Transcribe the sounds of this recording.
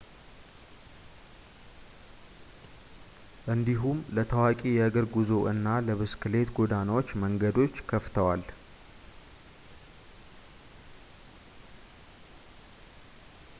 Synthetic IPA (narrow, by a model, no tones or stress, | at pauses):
ʔɨnd̪iɦumlət̪ʰəwakʼijɛaɡəɾɡuzo̞ʔɨnːaləβɨskɨle̞t̪ɡod̪anawot͡ʃːməŋɡəd̪o̞t͡ʃːkʰəft̪ʰəwal